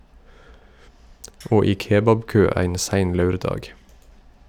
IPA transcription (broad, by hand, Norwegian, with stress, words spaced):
ˈoː ˈiː ˈkeːbɑbˌkøː ˈæɪn ˈsæɪn ˈlɑʉɾˌdɑːɡ